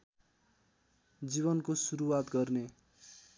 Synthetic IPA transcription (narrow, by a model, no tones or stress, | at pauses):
d͡ziβʌnkosuɾuwat̪ɡʌrne